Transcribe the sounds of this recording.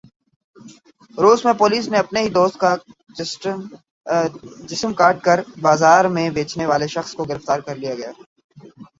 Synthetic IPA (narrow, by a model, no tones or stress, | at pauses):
ɾoːzmẽpoːliːsneɐpneɦid̪oːst̪ka | d͡ʒɪsəmkaːɾʈ̚kɐɾbaːzaːɾmẽbeːt͡ʃneʋaːleʃɐxskoɡɪɾəft̪aːɾkɐɾlijaɡɐjaː